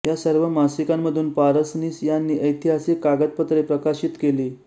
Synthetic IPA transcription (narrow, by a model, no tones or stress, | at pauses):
jasəɾʋəmasikamːəd̪ʱuːnpaɾəsniːsjanːiːʔəjt̪ʰiɦasiːkːaɡət̪̚pət̪ɾepɾəkaɕiːt̪keliː